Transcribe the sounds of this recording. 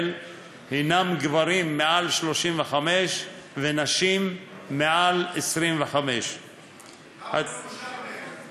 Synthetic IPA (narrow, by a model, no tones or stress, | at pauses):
l | hinamɡvaɾimːeʔalʃlo̞ʃimveχameʃvenaʃimːealesʁimveχameʃ | a